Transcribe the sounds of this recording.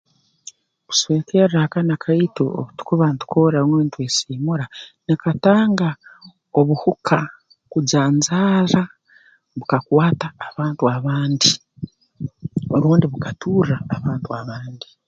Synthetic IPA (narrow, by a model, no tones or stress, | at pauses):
βu̥sweːkeɾakanakʰaituo̰βutu̥kuβantu̥koɾamweːntweːsiːmuɾanekataːŋɡa | o̞βuhukʰa | kuɟaːɲzaːɾa | βukakwaːtaːβaːntuaβaːndi | oɾuːndiβukatʰuːraːβaːntuaβaːndi